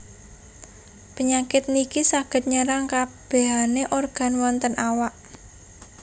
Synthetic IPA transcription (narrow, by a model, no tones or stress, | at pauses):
pəɲakɪt̪̚nikisaɡ̥ə̤t̪̚ɲəɾaŋkab̥e̤ɦaneʔorɡ̥a̤nwɔnt̪ənawaʔ